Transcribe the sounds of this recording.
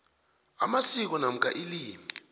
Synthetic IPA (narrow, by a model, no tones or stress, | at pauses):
amasik̬ɔnam̩kʼaʔiliːmi